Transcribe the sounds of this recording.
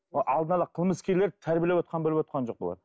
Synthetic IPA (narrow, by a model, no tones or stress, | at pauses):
ʔɑlˠd̪ənɑlˠɑqʰəlˠməskʲeɾlet̪ʰæɾbijelewot̪qɑnbolɪpwot̪̚qɑnd͡ʒo̞q̚bo̰lˠɑ̰d̪